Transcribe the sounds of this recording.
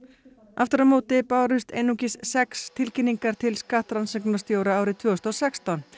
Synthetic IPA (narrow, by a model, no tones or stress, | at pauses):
aft̪ʏɾamoːt̪ɪpaːwɾʏst̪ḛjnucɪssɛkst̪ʰɪlcɪnːiŋkaɾ̥t̪ʰɪlskaht̪ɾansɛknast̪jowɾaaːwɾɪt̪ʰvœːɔst̪ɔsɛkst̪an